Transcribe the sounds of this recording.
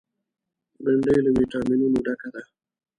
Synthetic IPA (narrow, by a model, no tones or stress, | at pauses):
bəɳɖəjləmiʈaminunuɖakad̪a